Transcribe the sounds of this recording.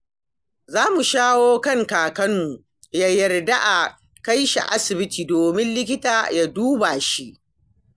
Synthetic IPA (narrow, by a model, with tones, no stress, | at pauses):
zaː˦mu˨ʃaː˦woː˦kɐ˦ŋkaː˨kɐ˦mmu˨ | jaː˦jɐ˨rda˦ʔa˨ | ka˦jʃa̰˨ʔa̰˦sɪ˨bɪ˦tiː˨doː˨mɪ˦nlɪ˦k̬ʲɪ˦taː˨ja˦duː˦ba˨ʃi˦ʔ